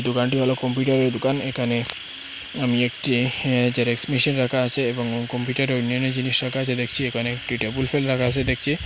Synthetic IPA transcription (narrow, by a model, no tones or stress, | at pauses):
d̪okanʈibʱalokompjuʈaɾeɾd̪okanekʰane | amiek̚ʈid͡ʑeɾeksmiʃinɾakʰaat͡ɕʰeeboŋkompjuʈaɾeonːioned͡ʑiniʃɾakʰaat͡ɕʰed̪ekʰt͡ɕʰiekʰaneʈɾiʈebulfʰelɾakʰaat͡ɕʰed̪ek̚ʰt͡ɕʰi